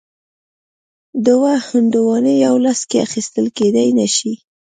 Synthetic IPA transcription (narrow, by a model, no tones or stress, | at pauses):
d̪əwahʊnd̪uwɑnejawlaskea̰xist̪əlked̪ajnaʃi